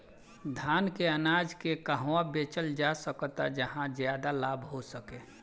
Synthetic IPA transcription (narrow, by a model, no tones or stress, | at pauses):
d̪ʱaːnkeənaːd͡ʒkekəɦwabeːt͡ʃəld͡ʒasəkt̪a̰d͡ʒəɦãzjaːd̪alaːbɦosəkeː